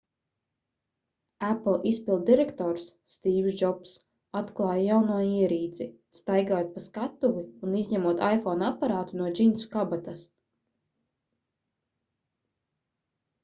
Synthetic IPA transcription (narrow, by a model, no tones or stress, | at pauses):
æplˠispilˠd̪̚d̪iɾɛkt̪ɔːɾsːt̪iːwzd͡ʒɔps | at̪klˠɑːjajawnuɔiɛɾiːd̪zʲi | st̪ajɡaːjot̪̚paskat̪ːuvuːnizʲɲɛmuɔt̪ajfɔnapaɾaːt̪unuɔd͡ʒinsu̥kabat̪as